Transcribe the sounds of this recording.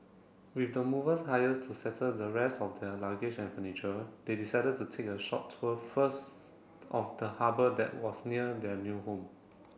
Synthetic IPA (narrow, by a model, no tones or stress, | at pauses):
wifdəmuvəshajəstʰusɛtʰədəɹɛstɔfdɛlaɡɪd͡ʒɛ̃nfənit͡ʃədedisaɪdəd̚tːutʰek̚əʃɔp̚tʰəfəst | ɔfdəhabədɛ̰t̚wɔsniədɛnjuhõm